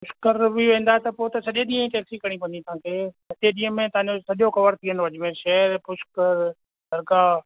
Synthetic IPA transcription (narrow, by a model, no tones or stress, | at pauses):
pʊʃkəɾbiʋẽːn̆d̪aɦɛt̪ɐpoːt̪ɐsɐʄeɗĩːə̃ĩʈeːksikɐɽ̃ipɐ̃nd̪ĩt̪ɐɦãːkʰeːsɐteɗĩːə̃mẽt̪ɐãɲd͡ʑosɐʄoxɐʋəɾt̪ʰiːənoɐʄmẽʃɛːəɾpʊʃkəɾ | sɐɾɡaː